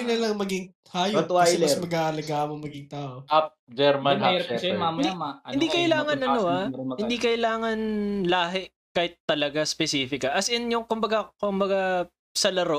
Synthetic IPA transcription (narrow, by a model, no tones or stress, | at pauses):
ɪnɐlɐŋmɐɡiŋ | hajɐt̪walsmɐɡaːhɐlɐɡaːʔɐmoŋmɐɡɪŋt̪aːʔoap̚d͡ʒɛɾmanɛɛɛmamd̪imaɐɪnd̪ikɐʔɪlaːŋɐnʔɐnohaɐhɪnd̪ikɐʔɪlaːŋɐnlaːɦɛ | kaːhɪt̪ːɐlɐɡaspɛsiːfɪkɐʔɐsɪnjʊŋkʊmbɐɡakʊmbɐɡa | sɐlɐɾo